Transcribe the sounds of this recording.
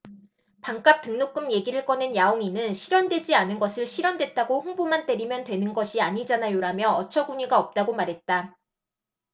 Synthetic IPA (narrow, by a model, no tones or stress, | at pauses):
paŋk͈ap̚t͈ɯŋnok̚k͈ɯmje̞ɡiɾɯɭk͈ʌnɯnjaoŋinɯnɕʰiɾjwʌndwe̞d͡ʑianɯnɡʌsʰɯɭɕʰiɾjʌndwe̞t̚t͈aɡoɸoŋbomant͈e̞ɾimjʌntwe̞nɯnɡʌɕʰiaɲid͡ʑanajoɾamjʌʌt͡ɕʰʌɡuɲiɡaʌp̚t͈aɡomaɾɦe̞t̚t͈a